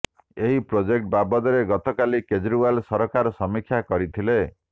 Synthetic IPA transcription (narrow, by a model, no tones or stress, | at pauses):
eɦipɾod͡ʒek̚ʈ̚babɔd̪ɔɾeɡɔt̪ɔkaliked͡ʒɾuwalsɔɾɔkaɾɔsɔmikʰjakɔɾit̪ʰile